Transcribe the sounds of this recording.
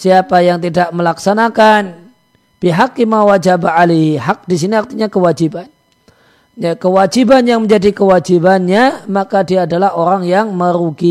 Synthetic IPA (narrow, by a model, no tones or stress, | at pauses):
siapajaŋt̪̬idaʔməlaksanakan | piɦakːimawad͡ʒabaaliɦiɦak̚dis̬iniart̪iɲakəwad͡ʒiban | jakəwad͡ʒibanjaŋməɲd͡ʒadikəwad͡ʒibanɲamakadiaːdalahoɾaŋjaŋməɾuɡi